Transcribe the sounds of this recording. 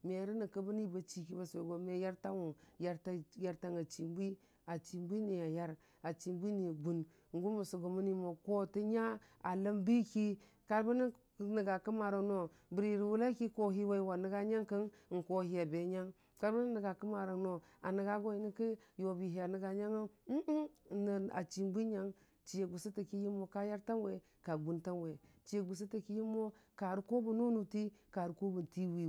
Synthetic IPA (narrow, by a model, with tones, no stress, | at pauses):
me˨ɾi˦ni˨kə˦bə˦ni˦ba˨t͡ʃi˨ki˦ba˨se˨ɡo˨me˦ja˦ɾta˦wu˨nja˦ɾta˦ja˦ɾta˦ŋa˨t͡ʃi˨mbi˦ | a˨t͡ʃi˨mbʷi˦ni˨a˨ja˦ɾ | a˨t͡ʃi˨mbʷi˦ni˨ɡu˨n˨ | ŋ˨ɡu˦ma˨so˨ɡo˨mu˦ni˦mo˨ko˦ti˦ɲa˦ | a˨lə˦mbi˦ki˦ | ka˦ɾba˦ni˦˨ | nə˨ɡa˨kə˦ma˨ɾo˨no˨ | bi˨ɾi˨ɾi˨wu˦la˦ki˦ko˦ɦi˦wa˦i˦wa˨nə˦ɡa˦ɲa˦ŋkə˦n˨ŋ̩˨ko˨hi˦ja˨be˨ɲa˦ŋ | ka˦ɾba˦ni˦nə˨ɡa˨kə˦ma˨ɾa˨no˨a˨nə˨ɡa˦ɡo˦i˨˦ni˦ki˦jo˨bi˨ɦi˨a˨nə˨ɡa˨ɲa˦ŋa˦˨ | n˨a̰˨t͡ʃi˨mbi˦ɲa˦ŋ | t͡ʃi˨je˨ɡu˨si˦ti˨ki˦ji˦mo˨ka˦ja˦ɾta˦nwe˨ | ka˨ɡu˦nta˦nwe˨ | t͡ʃi˦je˨ɡu˨s̬i˦ti˨ki˦ji˦mːo˦ka˨ɾi˦ko˦bu˨nu˦nu˨ti˦ka˨ɾu˨ko˦bu˨n˨ti˦wi˨